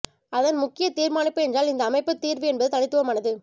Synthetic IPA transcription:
ɐðɐnmʊkːɪjɐt̪iːɾmaːnɪpːɯɛndraːlɪnd̪ɐːmɐɪpːɯt̪ːiːɾʋɯɛnbɐðɯt̪ɐɭɪt̪ːɯʋɐmaːnɐðɯ

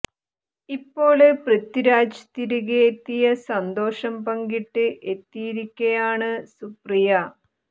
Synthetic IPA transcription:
ipːo̞ːɭeprɐt̪ːiɾaːd͡ʑɐt̪iɾuɣet̪ːijɐsɐnd̪o̞ːʂɐmpɐŋɡiʈːɨʔe̞t̪ːijiɾikʲːɐjaːɳɨsuprijɐ

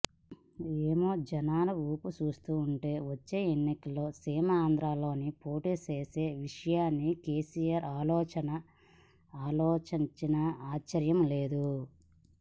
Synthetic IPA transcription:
eːmo̞ːd͡ʒɐnaːlɐuːput͡ʃuːst̪uːuɳʈe̞ːʋot͡ʃːe̞ːenːikɐlːo̞ːsiːmɐaːnd̪ɾaːlo̞ːnipoːʈiːseːse̞ːʋiʂɐjaːnːike̞ːsijaːɾaːlɔːt͡ʃɐnɐ | aːlɔːt͡ʃiɲt͡ʃinɐaːt͡ʃːɐɾjɐmle̞ːd̪u

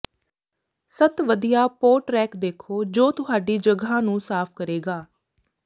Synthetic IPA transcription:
sət̪ʋəd̪ijaːpoːɾʈɾɛːkd̪eːkʰoːd͡ʒoːt̪ʊɦaːɖiːd͡ʒəɡãːnũːsaːpʰkəɾeːɡaː

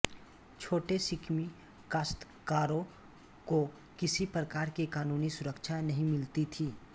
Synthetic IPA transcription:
t͡ʃʰoːʈesɪkʰmi | kaːst̪ | kaːɾõ | ko | kɪsipɾəkaːɾkikaːnuːnisʊɾəkʃʰanɐɦĩmɪlt̪it̪ʰiː

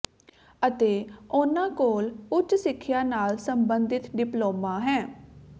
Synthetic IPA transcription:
ət̪eːʊnãːkoːlʊt͡ʃsɪkʰːjaːnaːlsəmbənd̪ɪt̪ɖɪploːmãːɦɛ̃ː

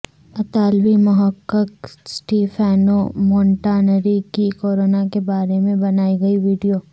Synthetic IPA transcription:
ɐt̪aːlʋimʊɦəkːəksʈiːfʰɛːnomɔ̃ːɳʈaːnəɾikikoːɾoːnakebaːɾemẽbɐnaːiɡɐiʋiːɖijoː

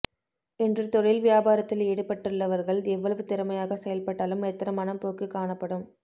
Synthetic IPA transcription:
ɛndrɯt̪ɔɻɪlʋɪjaːbaːɾɐt̪ːɪleːɽɯpːɐʈːɯɭːɐʋɐɾɣɐɭd̪eʋːɐɭɐʋɯt̪ɪɾɯmɐjaːɣɐsɛjɐlpɐʈːaːlɯmɛt̪ːɐɾɐmːɐnɐmpoːkɯkːaːɳɐpːɐɽɯm

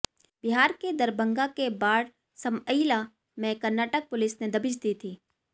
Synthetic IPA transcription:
b̥ɪɦaːɾked̪ɐɾbə̃ŋɡakebaːɽ | sɐməila | mɛ̃kɐɾnaːʈək̚pʊlɪsned̪ɐbɪd͡ʒd̪iːt̪ʰiː

